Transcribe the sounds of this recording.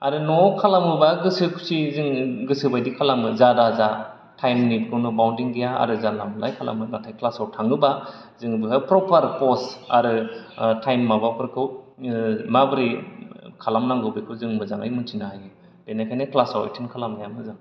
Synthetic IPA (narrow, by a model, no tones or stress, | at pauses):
a̰ɾɯnɔkʰalamɯbaɡɯsɯkʰu̥sizɯŋɡɯsɯbajdikʰalamɯzadaza | tʰajmnit̚ɡʰɯwnɔbawntiŋɡijaa̰ɾɯzalamlajkʰala̰mɯnatʰajkʰlasawtʰaŋɯba | zɯŋbɯɦɯpɾɔpʰaɾpɔsa̰ɾɯtʰajmːabapʰɯɾkʰɯw | mabɯɾikʰalamnaŋɡɯbekʰɯzɯŋmɯzaŋa̰jmɯntʰinaajɯ | d̥enajkʰajneklasawa̰jtʰinkʰalamnajamɯzaŋ